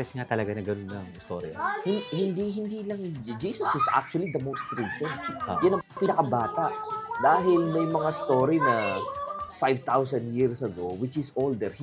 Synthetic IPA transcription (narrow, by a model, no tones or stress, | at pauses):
ɛsŋat̪ɐlɐɡanɐɡɐnonːɐŋɪst̪oːɾiɐ̰hɪnhɪnd̪iɦɪnd̪iːlɐŋd͡ʒiːsɐsɪsʔa̰k̚t͡ʃʊwɐlid̪ɐmost̪ɾiːsɪŋjʊnɐŋpɪnɐkɐbaːt̪aʔd̪aːɦɪlmɐjmɐŋast̪oːɾinɐ | fajvt̪awsɐ̃nd̪jiɹsɐɡowɪt͡ʃɪsold̪ɛɹh